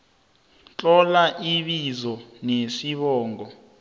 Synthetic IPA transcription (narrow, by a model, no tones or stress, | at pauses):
t͡ɬʼɔlaʔiɓizɔnesiɓɔːŋʱɔ